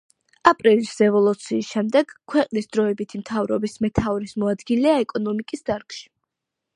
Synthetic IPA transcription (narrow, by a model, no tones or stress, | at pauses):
apʼɾilisɛvɔlˠut̪sʰiːsʃɛmd̪ɛɡ̥kʰːwɛqʼnisd̪ɾɔɛbit̪ʰimt̪ʰavɾɔbismɛt̪ʰavɾismɔad̪ɡilɛaɛkʼɔnɔmikʼisd̪aɾkʃi̥